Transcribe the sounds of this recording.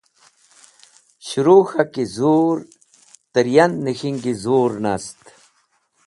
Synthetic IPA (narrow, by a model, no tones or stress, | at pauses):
ɕuɾuːxakizuːɾ | t̪əɾjɐnːixiŋɡizuːɾnast̪